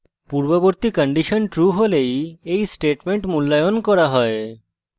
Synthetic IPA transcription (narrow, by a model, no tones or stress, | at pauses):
puɾboboɾt̪ikəɳɖiʃonʈɾuɦolejejsʈeʈmeɳʈmulːajonkɔɾaɦɔe